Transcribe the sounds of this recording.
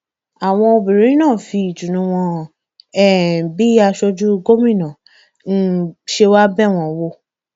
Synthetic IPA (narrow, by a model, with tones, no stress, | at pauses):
a˨w̃ɔ̃˧o˧bĩ˨ɾĩ˨˦nãː˦˨fi˧i˨tũ˨nũ˧˦w̃ɔ̃˧ | ɛ˦˨bi˦a˧ʃo˧d͡ʒu˦ɡo˦mĩ˦˨nã˨ | n̩˦ʃe˧wa˦bɛ˦˨w̃ɔ̃˧˨wo˧